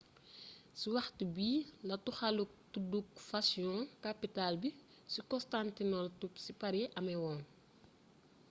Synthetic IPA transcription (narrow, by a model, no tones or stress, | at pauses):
siwɐxtbiːlɐtuxɐluk̚tudukfasiɔ̃kapitalbi | sikɔstantinɔltupsipɐɾeʔɐmɛwɔːn